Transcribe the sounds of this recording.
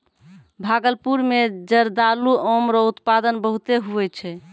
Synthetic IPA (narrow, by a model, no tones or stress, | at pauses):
bʱaɡəlpuɾmed͡ʒəɾd̪aluomɾɔut̪pad̪ənbəɦut̪eɦuɛt͡ʃʰɛ